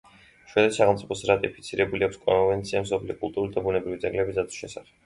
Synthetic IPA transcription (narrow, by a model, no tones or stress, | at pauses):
ʃwɛd̪ɛsaχɛmt̪sʼipʰɔsɾat̪ʼipʰi̥t̪sʰiɾɛbuliakʰʷskʼɔvɛnt̪sʰiamsɔpʰlijɔkʼulˠt̪ʼuɾulid̪abunɛbɾivid̪ɛɡlɛbizat̪ʰu̥ʃɛsaχɛb̥